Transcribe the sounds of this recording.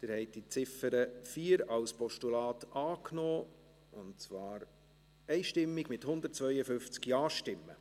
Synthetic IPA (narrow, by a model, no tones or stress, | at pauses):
d̪̥ɪɾhɛɪt̚d̥it͡sɪfəɾəfiːəɾɑlspɔʃtulɑːtɑːknoː | ʊnt̚t͡svɑːɾ | ɛɪʃtɪmːɪɡmɪthʊnd̪əɾt̚t͡svœʏəfʏnft͡skjɑːʃtɪmːə̰